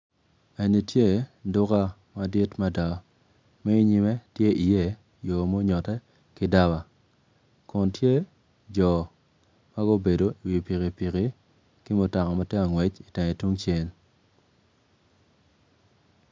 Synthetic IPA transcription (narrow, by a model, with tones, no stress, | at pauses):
e˨ni˨tje˦dʊ˦ka˦ | ma˨di˦tma˦da˨wa˨ | mɛ˦i˦ɲi˦mɛ˦tje˦ʔi˨je˦ | jo˨mo˦ɲɔ˨tɛ˦ | kɪ˦da˦wa˨ | kɔ˨ntje˦ | d͡ʒɔ˨ | ma˦ɡo˦be˨do˨i˨wi˨pi˨ki˨pi˨ki˦ | kɪ˦mʊ˨ta˨ŋɔ˨ma˦tɛ˦a˨ŋwɛ˨t͡ʃi˨tɛ˨ŋɛ˨tu˦ŋt͡ʃe˦n